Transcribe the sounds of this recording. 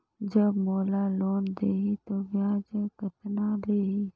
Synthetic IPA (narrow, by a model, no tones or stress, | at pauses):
d͡ʒəbmoːlaloːnd̪eːit̪oʋjaːd͡ʒəkət̪naleːi